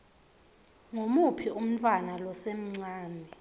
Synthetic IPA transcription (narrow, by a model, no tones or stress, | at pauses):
ŋomupʰium̩tʰʼwanalɔsem̩ŋ͡ǀaːnʱɛ